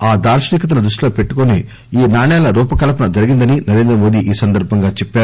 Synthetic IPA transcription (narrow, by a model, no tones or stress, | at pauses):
aːd̪aːɾʃɐniːkɐt̪̬ɐnɐd̪ɾuʂloːpe̞ʈːukoni | iːnaːɳɛːlɐɾuːpɐkɐlɐp̬ɐnɐd͡ʒɐɾiɡind̪ɐninɐɾeːnd̪ɾɐmo̞ːd̪iʔiːsɐnd̪ɐɾbʱɐŋɡaːt͡ʃeɛpːaːɾu